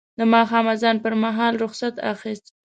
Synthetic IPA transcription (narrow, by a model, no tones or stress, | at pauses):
d̪əmɑxɑmazɑnpəɾmaɦɑlɾʊxsat̪a̰xist̪